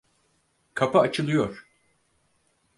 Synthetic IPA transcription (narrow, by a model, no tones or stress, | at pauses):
kʰapaːt͡ʃʰɯlˠɯjo̞ɾ̥